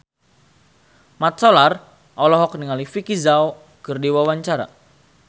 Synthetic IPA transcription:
mat̪̚sɔlar | ʔɔlɔɦɔk̚niŋalifikizao | kɨrdiwawaɲt͡ʃaɾa̰

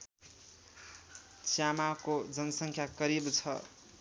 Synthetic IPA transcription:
t͡sjamakod͡zʌnʌsʌŋkʰjakʌɾibt͡sʰʌ̰

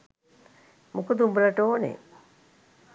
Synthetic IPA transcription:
mukəd̪umbɾɐʈoːnḛ

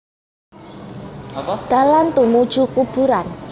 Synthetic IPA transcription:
d̪̥a̤lant̪umud̥ʒ̥ṳkub̥uɾan

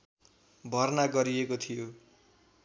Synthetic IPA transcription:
bʱʌrnaɡʌɾiekot̪ʰijo

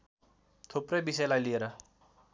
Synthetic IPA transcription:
t̪ʰopɾebiselaːiliɾa

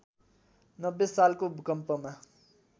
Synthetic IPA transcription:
nʌbːesaːlkobɪkəmpəmã

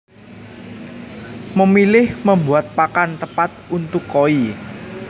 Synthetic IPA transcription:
məmilɪhməmbuat̪̚pakant̪əpat̪̚unt̪ʊkːoi

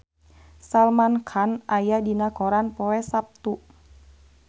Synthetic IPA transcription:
salmankʰanʔajadinaɡoɾanpɔwɛsap̚t̪u

